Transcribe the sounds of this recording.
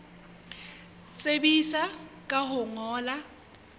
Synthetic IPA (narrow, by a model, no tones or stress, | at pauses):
t͡sʼebisakʼaɦʊŋɔːla